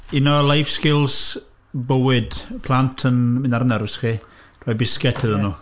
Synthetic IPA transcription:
inɔlˠajfskɪlˠs | bəwɪd̥pʰlˠantʰənmɪnaɾənɛɾɪsχi | d̥ʰɔbɪskɛtʰɨðənu

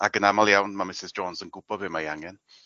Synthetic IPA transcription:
aɡənamalˠjawnmamɪsɪzd͡ʒɔnzənɡʊb̥ɔvɪmajaŋɛn

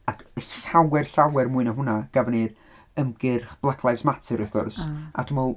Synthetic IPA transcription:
akʰəɬawɛrɬawɛrmuɨnaɦʊnaɡ̥avnir | əmɡɪrχb̥lˠakʰlˠajsmatʰɨɾiɡ̥ʊrsʔa̰tʰumɔlˠ

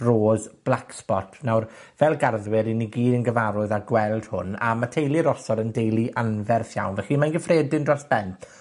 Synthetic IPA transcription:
roːzb̥lˠakspɔtʰnawr | vɛlˠɡarðwɪɾiniɡiːdənɡəvaɾʊɨðaɡwɛlˠd̥hʊ̰na̰matʰejlˠiɾɔsɔɾəndejlˠiʔanvɛrθja̰wnvɛχimanɡəfreːdɪndrɔsb̥ɛnt

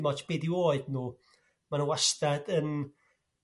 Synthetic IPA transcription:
mɔtb̥eːdioːɨdnuː | manuwastadən

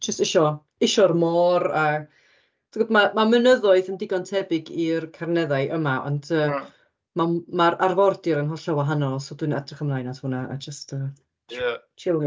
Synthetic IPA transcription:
d͡ʒəstɪʃɔ | ɪʃɔrmɔraa | tɡɔdmamamənəðɔɨθəndɪɡɔntʰɛbɪɡirkʰarnɛðaɨʔəmaʔɔ̰ndəː | mamaɾarvɔrdɪɾənɦɔɬawaɦanɔlˠsɔdwɨnadrɪχəmlˠajnatuːnaʔa̰d͡ʒəstʰəː | t͡ʃʰɪlˠ

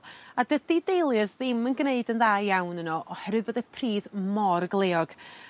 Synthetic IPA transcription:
adədidejlˠjəsðɪmənɡneɨdənðaːjawnənɔʔɔhɛɾwɨbəðɛpʰriːðmɔrɡlˠeːɔɡ̥

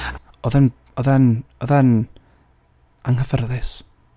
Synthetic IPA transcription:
ɔðɛn | ɔðɛnɔðɛn | aŋəvərðɪs

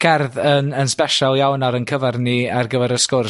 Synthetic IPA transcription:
kʰɛrðənənspɛʃɔlˠjawnaɾənkʰəvarniarɡəvɛɾəskʊr

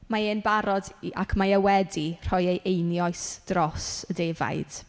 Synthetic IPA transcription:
maeːnbaɾɔdʔa̰kʰmajəwɛdir̥ɔjejʔejnjɔjsd̥rɔsədeːva̰jd̥

